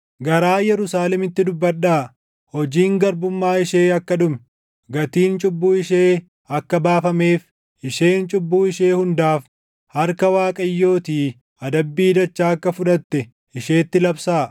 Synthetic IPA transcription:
ɡɐɾaːjɛɾʊsaːlɛmɪt̪ːɪd̪ʊbːɐɗːaː | hɔd͡ʒiːŋɡɐɾbʊmːaːɪʃeːɐkːɐᶑʊm | ɡɐt̪iːnt͡ʃʼʊbːuːɪʃeː | ɐkːɐbaːfɐme̞ːf | ʔɪʃe̞ːnt͡ʃʼʊbːuːɪʃe̞ːhʊnd̪aːf | hɐɾkɐwaːkʼɐjːo̞ːt̪iː | ɐd̪ɐbːiːd̪ɐt͡ʃːaːɐkːɐfʊᶑɐt̪ːɛ | ʔɪʃe̞ːt̪ːɪlɐbsaː

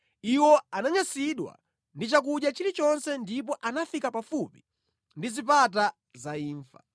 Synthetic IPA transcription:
iwɔanaɲasiɗwa̰ | ndit͡ʃak̬uɗjat͡ʃiɾit͡ʃɔnsɛndip̬ɔʔanafikapafupi̥ | ndizipat̬a | zaiːɱfa̰

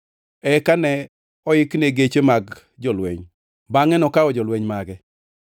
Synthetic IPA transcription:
ɛkanɛ | ɔɪkneɡet͡ʃemaɡ | d͡ʒɔlwḛɲ | baŋɛnɔkaɔd͡ʒɔlweɲmaɡɛ

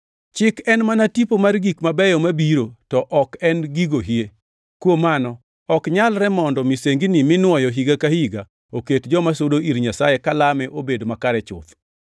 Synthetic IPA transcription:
t͡ʃɪkɛnmanatipomarɡikmabɛjɔmabiɾotɔʔɔkɛnɡiɡoɦie | kwomanɔ | ɔkɲalɾɛmɔndɔmiseŋɡinɪmɪnwɔjɔɦiɡakahiɡa | oketd͡ʒɔmasodoʔiɾɲasajekalamɛʔobedomakaɾɛt͡ʃʊ̰t̪

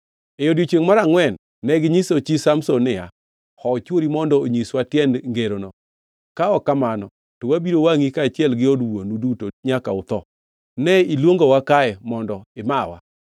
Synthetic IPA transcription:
ejodjot͡ʃweŋmaɾaŋwɛnː | ɛɡɪɲisot͡ʃisamsonɪja̰ | hɔt͡ʃwoɾimɔndɔoɲiswatjɛndŋɡeɾonɔ | kaɔkamanɔ | tɔwabiɾowaŋikaːt͡ʃɪɛlɡɪɔdwonudutoɲakaʊt̪ɔ | nɛilwoŋɡowakaɛmɔndɔɪmawa̰

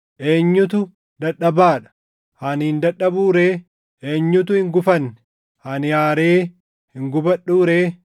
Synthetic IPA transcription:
ʔe̞ːɲːʊt̪ʊ | d̪ɐᶑɐbaːᶑɐ̥ | hɐnhɪnd̪ɐᶑɐbuːɾe̞ː | ʔeːɲːʊt̪̬ʊhɪŋɡʊfɐnːɛ | hɐnjaːɾe̞ː | hɪŋɡʊbɐᶑuːɾe̞ː

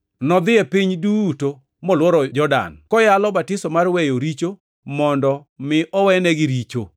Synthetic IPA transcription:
nɔd̪ɪɛpiɲduto | mɔlwɔɾɔd͡ʒɔda̰nkɔjalɔbatɪsɔmarwejoɾit͡ʃo | mɔndɔmɪʔɔwɛnɛɡɪɾit͡ʃo

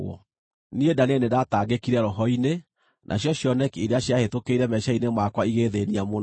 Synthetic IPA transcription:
ɔ̰ | niedanenedataɡekiɾɛɾɔɦɔine | nʔa̰ɕjɔɕjɔnɛkiɾeaɕjahetokeiɾɛmɛʃainemwakwaiɣeðeniamon

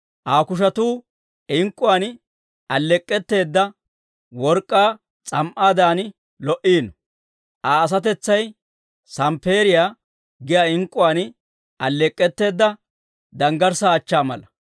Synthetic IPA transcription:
ʔaːkʊʃ̬ɐt̪uː | ɪŋkʼːʊwaːn | ʔɐlːɛkʼːɛt̪ːe̞ːd̪ːɐ | wɔɾkʼːaː | t͡sʼɐmʔaːd̪aːn | lɔʔiːnɔ | ʔaːs̬ɐt̪̬ɛt͡sːɐj | sɐmpe̞ːɾɪjaː | ɡɪjaːɪŋkʼːʊwaːn | ɐlːɛkʼːɛt̪ːe̞ːd̪ːɐ | d̪ɐŋɡɐɾsaːt͡ʃːaːmɐ̰lɐ

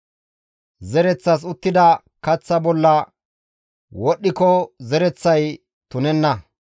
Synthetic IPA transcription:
zɛɾɛt͡sːɐs̬ʊt̪ːɪd̪ɐ | kɐt͡sːɐbɔlːɐ | wɔɗːɪkɔzɛɾɛt͡sːɐj | t̪ʊnɛnːɐ

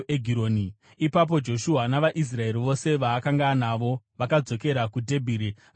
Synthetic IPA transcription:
eɡʱiɾoːni | ipap̬o̞d͡ʒo̞ʃuɦanaʋaʔis̬rae̞ɾiʋo̞se̞ʋaːkaŋɡanaʋo̞ʋakad͡zo̞ke̞ɾakudʱe̞bʱiːɾi

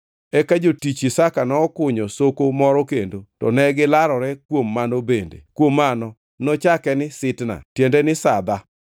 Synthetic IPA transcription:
ɛkad͡ʒotit͡ʃisakanɔːkʊɲosokomɔɾɔkendotɔ̰nɛɡɪlaɾɔɾɛkwomːanobendḛkwomːanɔ | nɔt͡ʃakɛnɪsɪtna̰tjendenɪsad̪a

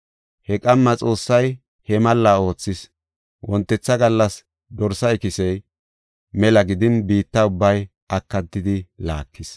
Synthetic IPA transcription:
hɛkʼɐmːɐt͡sʼo̞ːsːɐj | hɛmɐlːaːo̞ːt͡sːɪs | wʔɔnt̪ːɛt͡sːɐɡɐlːɐs | d̪ɔɾsɐjkɪsɛj | mɛlɐɡɪd̪ɪnbiːt̪ːɐʊbːɐj | ʔɐkːɐt̪ːɪd̪ɪla̰ːkːɪs

